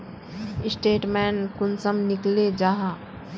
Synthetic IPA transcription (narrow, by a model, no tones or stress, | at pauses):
ɪsʈeːʈmɛːnkʊnsəmnɪkled͡ʒaːɦa